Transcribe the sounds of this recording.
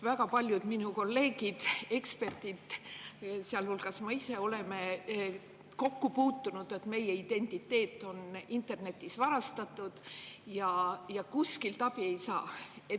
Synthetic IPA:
væɡ̥ɑpɑlʲjud̪̥minuko̞lːe̞ːɡ̥id̪̥e̞kspe̞rt̪id̪̥ | seɑlhulɡ̥ɑsmɑise̞o̞le̞me̞ | ko̞kːupuːt̪ːunud̪̥e̞t̪me̞jeid̪e̞nʲt̪ˑit̪ːe̞ːt̪ːˑo̞nint̪ˑe̞rne̞t̪ːˑisvɑɾɑst̪ɑt̪ˑːud̪̥jɑjɑkuskilt̪ɑb̥ie̞jsɑːe

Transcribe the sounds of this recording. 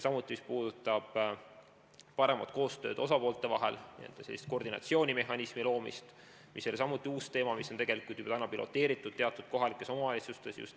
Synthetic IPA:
sɑmut̪ːˑimispuːd̪̥ut̪ːˑɑb̥ | pɑɾe̞mɑ̰t̪ko̞ːst̪ø̞ːd̪o̞sɑpo̞ːlt̪e̞vɑɦe̞̰lnḭḛlt̪ːɑ̥selːist̪̚ko̞rd̪inɑ̰t̪sio̞ːnʲime̞ɦɑnismilo̞ːmḭst̪ | mʔisːolʲisɑmut̪ːˑiuːst̪e̞ːmɑmisːot̪e̞ɡe̞likˑult̪y̥b̥ɑt̪ænɑpilʔo̞̰t̪ːe̞ːɾit̪ːˑud̪̥t̪eɑt̪ːˑud̪̥̚ko̞ɦɑlikːˑe̞so̞mɑvɑlʲit̪sust̪e̞sjṵst̪

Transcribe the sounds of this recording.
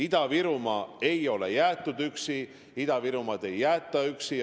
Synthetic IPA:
id̪̥ɑviɾumɑe̞jo̞le̞̰jæːt̪ːˑud̪yksi | id̪̥ɑviɾumɑd̪̥e̞jːæːt̪ˑːɑyksi

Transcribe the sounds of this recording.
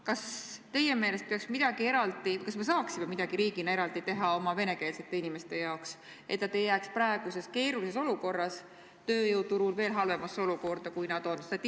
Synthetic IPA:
kɑst̪e̞je̞me̞ːle̞st̪̚peɑksmid̪̥ɑɡ̥ie̞ɾɑld̪ikɑsme̞s̬ɑːksimemid̪̥ɑɡ̥iɾiːɡinɑeɾɑld̪̥it̪e̞ɦɑo̞mɑve̞ne̞ke̞ːlse̞t̪ːe̞inime̞st̪e̞jɑoks | ʔe̞t̪ːɑt̪ejæːkspɾɑeɡ̥use̞ske̞ːɾulise̞so̞luko̞rːɑs | t̪ø̞ːjɤwt̪uɾulve̞ːlɦɑlve̞mɑsːeo̞luko̞rd̪̥ɑkujnɑd̪̥o̞nst̪ɑt̪ʲː

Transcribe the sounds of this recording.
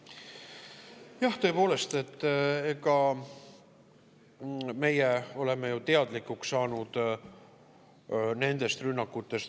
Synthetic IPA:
jɑht̪ø̞epo̞ːle̞st̪e̞t̪ːeɡɑ | me̞jeo̞le̞mejut̪e̞ɑd̪likːuksːɑːnud̪̥ | ne̞nd̪e̞st̪rynːɑkːˑut̪ːˑe̞st̪

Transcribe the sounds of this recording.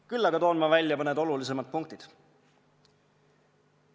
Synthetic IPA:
kylːɑɡ̥ɑt̪o̞ːnmɑvælʲjɑpɑned̪o̞lulise̞mɑt̪̚puŋk̚t̪id̪̥

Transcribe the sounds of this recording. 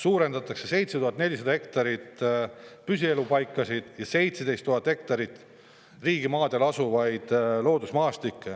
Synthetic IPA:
suːɾe̞nd̪ɑt̪ːˑɑkse̞se̞jt̪seuɦɑt̪ːne̞lʲis̬ed̪ɑhe̞kt̪ɑɾit̪ | pysie̞lupɑjkˑːɑsid̪̥jɑse̞jt̪sed̪e̞jst̪ːuɦɑt̪ːˑhe̞kt̪ɑɾit̪ˑ | riːɡimɑːd̪e̞lɑsuvɑjd̪̥lo̞ːd̪usmɑːst̪ikːe

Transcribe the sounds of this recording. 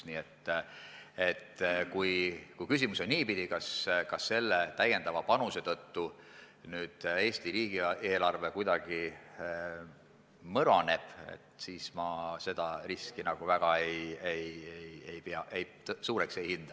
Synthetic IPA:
niːet̪ː | e̞t̪kujkujkys̬imuso̞nniːpid̪̥ikɑskɑsːe̞lːet̪æjːe̞nd̪ɑvɑpɑnuse̞t̪ɤt̪ːu | nyːd̪̥e̞ːsʲt̪iɾiːɡ̥iʔeːlɑrve̞kujd̪̥ɑɡ̥i | mɤɾɑne̞b̥ḛt̪siːsmɑse̞d̪̥ɑriskinɑɡ̥uvæɡ̥ɑejejeje̞jpeɑʔejt̪suːɾekse̞jhind̪̥ɑ

